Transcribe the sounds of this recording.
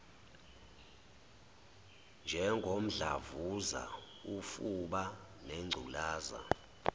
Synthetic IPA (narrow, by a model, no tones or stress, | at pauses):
nd͡ʒʱɛŋɡʱom̩ɮa̰vuza̰ | ufuɓa | neŋ͡ǀʱulaːza̰